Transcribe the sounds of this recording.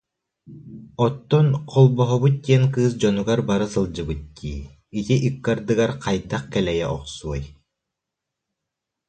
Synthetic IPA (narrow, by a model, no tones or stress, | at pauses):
ɔt̪ːɔnqʰɔlˠbɔɦɔβɯt̪̚t̪ʲiɛnkɯːs̬d͡ʑɔnuɡaɾbaɾɯsɯlˠd͡ʑɯbɯt̪̚t̪ʰiː | it̪iʔikːaɾd̪ɯɡaɾqajd̪aχkɛlɛjɛʔɔ̰qsuɔj